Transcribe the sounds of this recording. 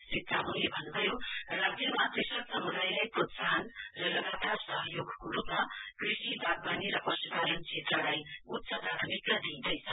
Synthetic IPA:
srik̚t͡sʰaɦulebʱʌnːubʱʌjorad͡zjʌmak̪resʌlsʌmud̪ajlajpɾot̪saɦnrʌlʌɡat̪arsʌɦʌjoɡkoɾupmakrisib̪ʱaɡ̚baniɾʌpʌsuk̪aɾʌnt͡ʃʰet̪rʌlajut̪sʰʌd̪ʱat̪ʰmikːʌd̪ind̪ʌjsʰʌ

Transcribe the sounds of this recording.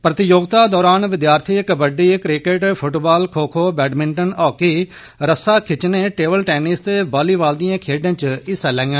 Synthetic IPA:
pɾət̪ɪjoːɡt̪aːd̪ɔːɾaːnʋɪd̪jaːɾt̪ʰiːkbəɖiːkɾɪkeʈpʰʊʈbaːlkʰoːkʰoːbɛːɖmɪ̃ɳʈənɔːkiː | ɾəsaːkʰɪt͡ʃneːʈeːbəlʈɛːnɪst̪eːbaːliːʋaːld̪ɪjãːkʰeːɖãːt͡ʃɪsaːlɛ̃ːŋɡɛ̃ː

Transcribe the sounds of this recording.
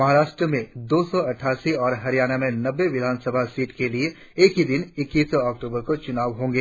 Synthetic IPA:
mɐɦaːɾaːʃʈɾəmẽd̪oːsɔɐʈʰaːsiɔːɾɦɐɾijaːɽ̃amẽnɐʋːeʋɪd̪ʱaːnsəbʱasiːʈkelie | eːkɦid̪ɪnɪkːiːsɔːk̚ʈuːbəɾkot͡ʃʊnaːʋɦõːŋɡeː

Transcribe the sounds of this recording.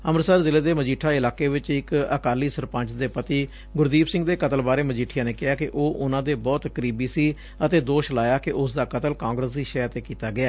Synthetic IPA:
əmɾsəɾzɪleːd̪eːməd͡ʒiːʈʰaːɪlaːkeːʋɪt͡ʃɪkə̰kaːliːsəɾpə̃ɲt͡ʃd̪eːpət̪iː | ɡʊɾd̪iːbsɪ̃ŋɡd̪eːkət̪əlbaːɾeːməd͡ʒiːʈʰːɪjãːneːkɪɦaːkɪʔoːʔʊnãːd̪eːbɔːt̪kəɾiːbiːsiː | ət̪eːd̪oːʃlaːjaːkɪʔʊsd̪aːkət̪əlkãːŋɡɾəsd̪iːʃəjaːt̪eːkiːt̪aːɡɪaː

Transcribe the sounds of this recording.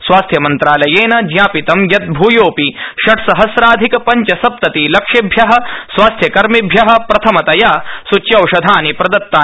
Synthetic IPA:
sʋwaːst̪ʰjɐmɐnt̪ɾaːlɐjeːnɐd͡ʒjaːpit̪ɐmjɐt̪̚bʱuːjoːpiʃɐʈʰsɐɦɐsɾaːd̪ʱikɐpɐɲt͡ʃɐsɐp̚t̪ɐt̪ilɐkʂɐbʱjɐɦɐ̆sʋaːst̪ʰjɐkɐɾmibʱjɐɦɐ̆pɾɐt̪ʰɐmɐt̪ɐjaːsut͡ʃjɐwʂɐd̪ʱaːnipɾɐd̪ɐt̪ːaː

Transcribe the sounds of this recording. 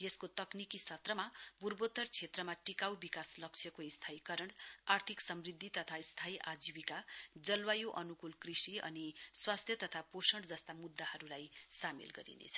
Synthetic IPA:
jeskot̪ʌknikisʌt̪rʌmaburbot̪ʌrt͡sʰet̪rʌmaʈikawbikaslʌkt͡sʰjʌkoist̪ʰaikʌɾʌɳart̪ʰiksʌmrid̪ʱːit̪ʌt̪ʰaist̪ʰaiʔad͡ziwikad͡zʌlwajoʔʌnukulkrisiʌ̰niswast̪ʰjʌt̪ʌt̪ʰaposʌɳɖd͡zʌst̪amud̪ːahʌɾulajsamḛlɡʌ̰ɾḭnḛt͡sʰʌ̥

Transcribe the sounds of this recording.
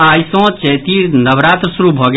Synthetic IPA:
ajsɔ̃t͡ʃəjt̪iɾnəbɾat̪ɾəsuɾubʱɔɡ

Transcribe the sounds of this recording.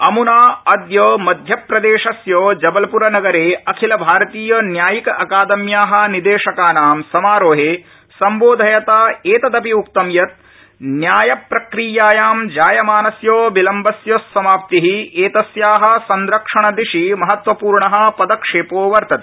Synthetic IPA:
ɐmunaːɐd̪joːmɐd̪ʱjɐpɾɐd̪eːʂɐsjoːd͡ʒɐbɐlɐpuɾɐnɐɡɐɾeːɐkʰilɐbʱaːɾɐt̪iːjɐnjaːjikɐʔɐkaːd̪ɐmjaːɦɐ̆nid̪eːʂɐkaːnaːmsɐmaːɾoːɦeː | sɐmboːd̪ʱɐjɐt̪aːeːt̪ɐd̪ɐpiuk̚t̪ɐmjɐt̪̚ | njaːjɐpɾɐkɾiːjaːjaːmd͡ʒaːjɐmaːnɐsjoːbilɐmbɐsjoːsːɐmaːp̚t̪iɦieːt̪ɐsjaːɦɐ̆sɐnɾɐkʂɐɳɐd̪iʂimɐɦɐt̪ʋɐpuːɾɳɐɦɐ̆pɐd̪ɐkʂeːpoːʋɐɾt̪ɐt̪e̥

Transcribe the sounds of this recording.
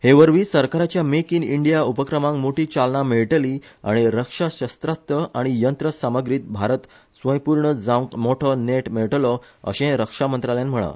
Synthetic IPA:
heʋəɾʋiːsəɾkaɾat͡ɕjamekiniɳɖijaupəkɾəmãŋmoʈiːt͡salɳameɭʈlia̰ɽ̃iɾəkʂaɕəst̪ɾast̪əʔaɽ̃ijənt̪ɾəsaməɡɾiːt̪̚bʱaɾət̪ | sʋə̃jpuɾɳəd͡zãkmoʈʰəneʈmeɭʈlɔ | ə̰ɕẽɾəkʂamənt̪ɾaljanm̤əɭa̰

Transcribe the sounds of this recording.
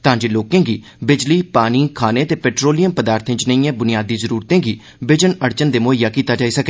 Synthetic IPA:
t̪ãːd͡ʒeːloːkẽːɡiː | bɪd͡ʒliːpaːniːkʰaːneːt̪eːpɛːʈɾoːlɪjəmpəd̪aːɾt̪ʰɪ̃d͡ʒnəiːãːbʊnɪijaːd̪iːzəɾuːɾt̪ẽːɡiː | bɪd͡ʒənəɽt͡ʃənd̪eːmoːɪjaːkiːt̪aːd͡ʒaːiːsəkɛː

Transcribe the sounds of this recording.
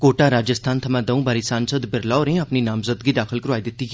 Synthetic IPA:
koːʈaːɾaːd͡ʒəst̪ʰaːnt̪ʰɐmãːd̪ɐũːbaːɾisaːnsəd̪bɪɾlaːɾẽɐpninaːmzəd̪ɡiːd̪aːkʰəlkəɾaːid̪ɪt̪ːi

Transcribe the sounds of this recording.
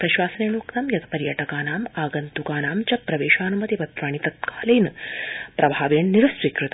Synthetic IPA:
pɾɐʃʋaːsɐneːɭoːkt̪ɐmjɐt̪ʰɐ̥pɐɾjɐʈɐkaːnaːmaːɡɐnt̪ukaːnaːmt͡ʃɐpɾɐʋeːʃaːnɐmɐt̪iʋɐt̪ɾaːɳit̪ɐt̪̚kaːleːnɨpɾʔɐbʱaːʋeːɳniɾɐsʋiːkɾɨt̪ɐ

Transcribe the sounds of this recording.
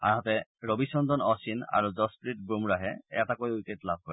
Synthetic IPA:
a̰ɦɔt̪ɛɹobiʃɔnd̪ʱɔnɔsina̰ɹuzɔspɹiʈ̚bumɹaɦɛɛ̰takojujketlab̚ʱkɔɾɛ

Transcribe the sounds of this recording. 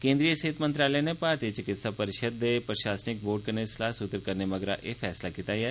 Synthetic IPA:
kẽːnd̪ɾijəsɐɦɪt̪mə̃nt̪ɾaːlənepaːɾt̪iːət͡ʃɪkɪt̪sapɐɾɪʃəd̪ːepɾəʃaːsnɪk̚boːɖ̚kəɾneslaːsʊt̪əɾkɐɾnemɐɡɾa̰ʔʔefʰɛːslakit̪aːja

